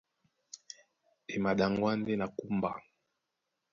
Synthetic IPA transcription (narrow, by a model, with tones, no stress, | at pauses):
ɛ˨ma˨ɗa˨ŋɡwa˦ndɛ˦na˨ku˦mba˨